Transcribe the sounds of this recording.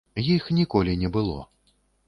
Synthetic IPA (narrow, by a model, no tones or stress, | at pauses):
jixnʲikɔlʲinʲɛbɨlˠɔ̰